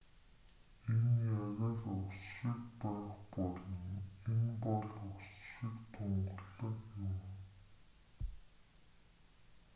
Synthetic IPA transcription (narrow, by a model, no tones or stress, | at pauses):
enjaʁarɵsʃĭkpæːχpɔɮɞ̆ŋenpɔɮɵksʃĭkt̪ʰʊɴɢə̆ɮːɞ̆kjʊm